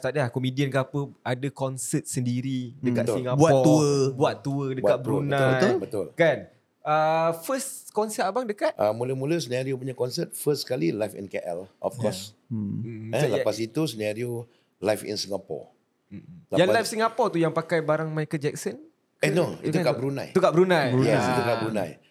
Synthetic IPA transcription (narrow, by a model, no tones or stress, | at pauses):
t̪adəlahkomidiənkapəadakɔnsət̪̚səndiɾidəkat̪siŋɡabutɔuəbuat̪̚ːuədəat̪̚bəɾunabət̪ʊlkan | əfəskɔnsəabaŋdəkat̪ʔəmuləmuləsənaɾiop̬uɲakɔnsət̪̚fəsskalilajfḭ̃nkeʔɛ̰lʔɔ̰fkɔs̩ | aləpasit̪usənaɾio | lajfḭnsiŋapɔ̰ | ləjanlajfsiŋapɔt̪ujaŋpakajbaɾaŋmajkəd͡ʒɛk̚sɔn | kɛnoḭt̪ukaʔbəɾunã̰jt̪ukaʔbəɾunãjjɛsit̪ukabəɾunã̰j